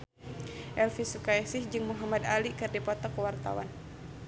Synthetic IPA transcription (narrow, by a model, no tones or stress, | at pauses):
ʔɛlfisukaɛsɪhd͡ʒɨŋmuɦamad̪alikɨrdipɔt̪ɔkəwart̪a̰wa̰n